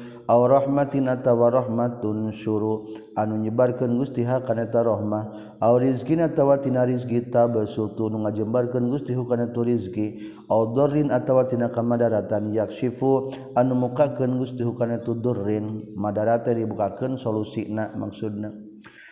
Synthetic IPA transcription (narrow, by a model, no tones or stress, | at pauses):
ʔawɾɔhmat̪inat̪awaɾɔhmat̪unʃuɾu | anuɲəbarkənɡust̪iɦakanɛt̪aɾɔhmah | awɾizkinat̪awat̪inaɾiskit̪abəsut̪unuŋad͡ʒəmbarkənɡust̪iɦukanat̪uɾizki | aud̪ɔrinat̪awat̪inakamadaɾat̪anjak̚ʃifu | anumukakənɡust̪iɦukanat̪ud̪ɔrːɪnmadaɾat̪adibukakənsolusinama̰ksud̚na